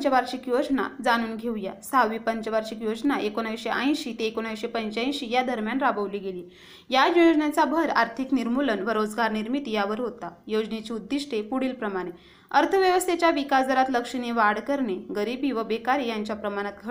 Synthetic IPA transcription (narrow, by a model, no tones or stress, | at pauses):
t͡ɕəʋaɾɕikjod͡zna̰d͡zañuːnɡʱeuja̰saʋiːpəɲt͡ɕəʋaɾɕikjod͡znaʔekonajɕeʔa̰j̃ɕiːt̪eːkonajɕepəɲt͡ɕaĩɕiːjad̪ʱəɾmjanɾabəʋliːɡeliː | jajojod͡znat͡sabʱəɾaɾt̪ʰikniɾmulənʋəɾod͡zɡaɾniɾmit̪jaʋəɾɦot̪ajod͡znet͡ɕiːud̪ːiʂʈʰepuɽiːlpɾəmaɽ̃e | əɾt̪ʰəʋjəʋəst̪ʰet͡ɕjaʋikasd̪ʱəɾat̪ləkʂiniʋaɽkəɾneɡəɾibiːʋəbekaɾijaɲt͡ɕjapɾəmaɽ̃at̪̚ɡʱə